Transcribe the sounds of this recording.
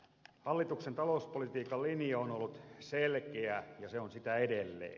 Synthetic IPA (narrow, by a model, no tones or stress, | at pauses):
hɑlːit̪uksent̪ɑloˑuspolit̪iːkɑlliniɑonolːut̪selkeæjɑseonsit̪æedelːḛː